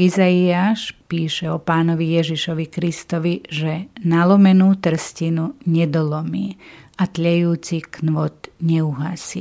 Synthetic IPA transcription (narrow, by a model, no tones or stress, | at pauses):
izaiaːʃpiːʃɛɔpaːnɔʋijɛʒiʃɔʋikɾist̪ɔʋiʒɛnalɔmɛnuːt̪r̩scinuɲɛd̪ɔlɔmḭːat̪ʎɛjuːt͡siknʋɔt̪ɲɛuɦasḭː